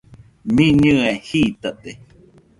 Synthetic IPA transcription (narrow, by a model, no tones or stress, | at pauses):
mĩɲɨ̃ehit̪aʔt̪e